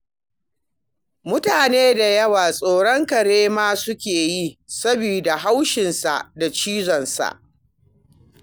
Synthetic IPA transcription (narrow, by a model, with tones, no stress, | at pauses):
mʊ˦taː˨neː˦da˨jɐ˦waː˨sʼoː˨ɽɔ˦ŋkɐ˨ɽeː˦maː˦sʊ˦kʲeː˨ji˦sɐ˦bi˨da˨ɦa˦wʃɪ˨nsa̰˨ʔda˨t͡ʃiː˦zɔ˨nsa̰˨ʔ